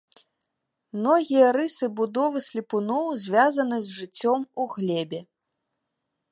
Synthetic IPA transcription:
mnɔɣʲijɐɾɨsɨbud̪ɔvɨsʲlʲipunɔwzʲvʲazɐn̪ɨzʐɨt͡sʲːɔmuɣlʲɛbʲɛ

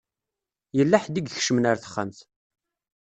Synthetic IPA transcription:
jəlːaħd̪iɡçʃəmnaɾθə̥χːa̰mθ

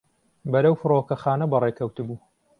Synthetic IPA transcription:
bɐɾɐwfɨɾoːkɐxaːnɐbɐrekʰɐwt̪ɨbuː

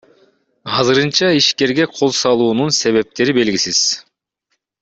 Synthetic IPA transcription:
ɑzɯɾɯnt͡ʃɑiʃke̞ɾɡeqʰo̞lˠsɑlˠuːnunse̞βe̞p̚t̪e̞ɾibe̞lɡʲisiz̥

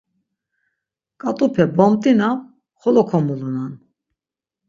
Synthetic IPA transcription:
kʼat̪ʼupʰɛbɔmt̪ʼina | χɔlɔkʰɔmulunan

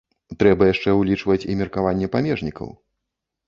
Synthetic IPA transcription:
t̪ɾɛbɐjaʂt͡ʂɛwlʲit͡ʂvɐt͡sʲḭmʲɛrkavanʲːɛpamʲɛʐnʲikɐ̰w

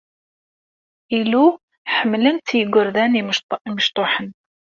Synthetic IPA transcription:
ilu | ħəmːlənt̪jəɡʷːʊɾðæniiməʃt̪ˤoħən

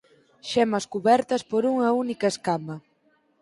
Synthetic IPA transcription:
ʃɛmɐskuβɛɾt̪ɐspoɾuŋɐunikɐeskamɐ

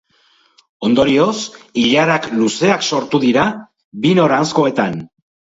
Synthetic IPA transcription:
o̞nd̪o̞ɾio̞siʎaɾakluse̞akso̞ɾt̪uðiɾa | βino̞ɾansko̞e̞t̪an

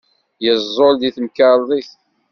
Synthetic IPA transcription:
jəzˤːolðiθmkɑɾðˤiθ

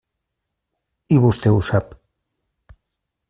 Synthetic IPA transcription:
iβust̪eusap

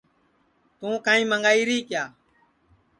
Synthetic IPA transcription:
t̪ũːkãːĩːməŋɡaːiːɾiːkjaː

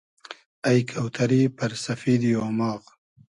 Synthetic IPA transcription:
ajkʰawt̪ʰaɾipɐɾsafiːd̪joːmɑːɣ

